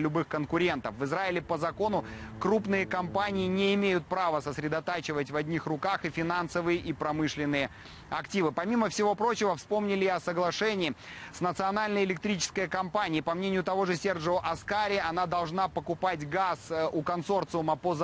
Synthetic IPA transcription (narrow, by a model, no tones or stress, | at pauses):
lʲʊbɨxkənkʊɾʲent̪əfvɨzraɪlʲɪpəzɐko̞nʊkɾupnɨjəkɐmpanʲɪɪnʲɪɪmʲejʊt̪̚pɾavəsəsɾʲɪd̪ɐt̪at͡ɕɪvətʲvɐdʲnʲixrʊkaxɨfʲɪnansəvɨjɪʔipɾɐmɨʂlʲɪnːɨjə | ɐktʲivɨpɐmʲiməfsʲɪvo̞pɾo̞t͡ɕɪvəfspo̞mnʲɪlʲɪɪɐsəɡlˠɐʂɛnʲɪːsnət̪sɨɐnalʲnəjɪlʲɪk̚t̪ɾʲit͡ɕɪ̥skəjəkɐmpanʲɪːpɐmnʲenʲɪjʊt̪ɐvo̞ʐɨsʲerʐoʔɐskaɾʲɪɐnad̪ɐlˠʐnapəkʊpatʲɡasukɐnso̞rt̪sɨʊmɐpoz